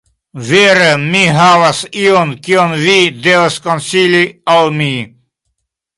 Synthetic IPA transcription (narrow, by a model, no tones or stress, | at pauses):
veɾəmiɦavasiɔnkiɔnvidevaskɔ̃nsiliɔlmi